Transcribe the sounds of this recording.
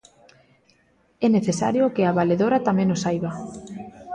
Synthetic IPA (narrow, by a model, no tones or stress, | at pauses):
ɛneθesaɾjokɪaβaleðoɾat̪amẽnosajβa